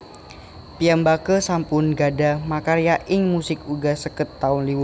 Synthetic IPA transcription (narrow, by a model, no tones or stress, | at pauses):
piambakəsampʊnɡadamakaɾijaʔɪŋmusɪkuɡasəkət̪ːaʊnliwʊ